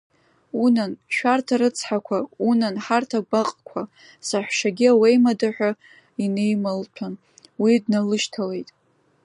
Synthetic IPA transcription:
unanʃᶣartʰaɾɨt͡sʰħakʷʰaunanħartʰaɡʷaqʼkʷʰa | saħʷᶣʂaɡʲiawejmadaħʷᶣa | ine̞jmalpʰan | widnalɨʃtʰale̞jtʼ

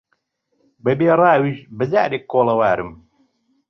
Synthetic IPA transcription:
bɐbeːrˤaːwiʒbɨzæɾekːoːlˠɐwaːɾɨm

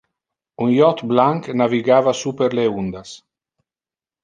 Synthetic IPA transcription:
unjɔt̪blaŋknaviɡaːvasupeɾleund̪as

